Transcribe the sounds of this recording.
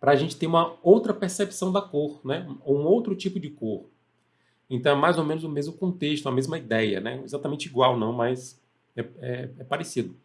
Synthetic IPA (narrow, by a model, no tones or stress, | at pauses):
pɾɐːʒẽnt͡ʃɪ̥t̪eɾũmɐowt̪ɾɐpeɾsepi̥sɐ̃w̃d̪ɐkoɾnɛowũowt̪ɾʊt͡ʃipʊd͡ʒɪkoɾ | ẽt̪ɐ̃w̃ɛmajzomẽnʊzʊ̃mezmʊkõnt̪eʃt̪ʊũɐmezmɐid̪ɛjɐ̰nɛezat̪ɐmẽnt͡ʃiɡwawnɐ̃w̃mɐjs | ɛɛɛpaɾesid̪ʊ